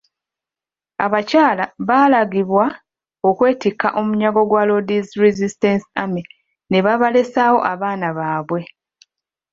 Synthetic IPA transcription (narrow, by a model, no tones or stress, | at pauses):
aβacaːlaβaːlaɡiβwa | okwe̞ːtikːaʔo̞muɲaɡo̞ɡwalo̞dizɾizistensi̥ami | ne̞βaβale̞sawo̞̰ʔaβaːnaβaːβwe̞